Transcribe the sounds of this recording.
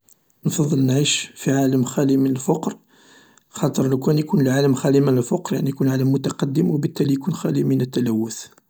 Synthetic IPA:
nfɑðˤːəlnʕiʃfiʕaləmxælimənəlfɑqɾ | xɑt̪ˤəɾˤləkwænjkunəlʕaləmxælimənəlfɑqɾjaʕnijkunʕaləmːʊt̪ɑqɑd̪ːəmwəbət̪ːælijkunxælimənət̪ːælæwːəθ

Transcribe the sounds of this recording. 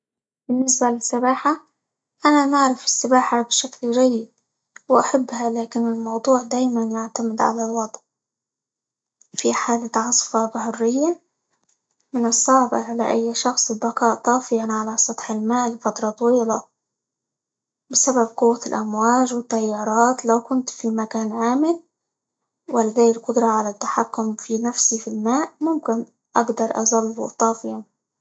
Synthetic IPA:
bɪnːɪsbalɪsːɪbaːħa | ʔanamaʕɾˤɪfɪsːɪbaːħabɪʃaklʒajːib | wʔaħabːhalaːkɪnɪlmɑwd̪ˤuːʕd̪aːjmanjaʕt̪amɪd̪ʕa̰lalwɑd̪ˤʕ | fiħaːlat̪ʕɑsˤfɑbahʊrːɪjːa | mɪnɨsˤːɑʕba̰ʕala̰ʔajːʃɑxsˤɪlbaqɑːʔt̪ˤɑːfɪjanʕalasˤɑt̪ˤħɪlmaːlːɪfɑt̪ɾˤɑt̪ˤɑwiːla | bɪsabab̚qʊwːalʔamwaːʒwɪt̪ːajːɑːɾˤɑːt̪lawkʊnt̪fimakaːnʕaːmɪl | wɪlːɪðaːjɪlqʊd̪ɾˤɑʕalat̪ːḁħakːʊmfinafsifilmaːʔmʊmkɪn | ʔa̰ɡd̪ɑɾˤʔɑ̰zˤɑlːbṵt̪ˤɑːfɪjan

